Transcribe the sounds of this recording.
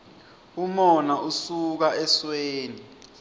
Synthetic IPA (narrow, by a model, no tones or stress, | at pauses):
umɔnaʔusuk̬aɛsweːni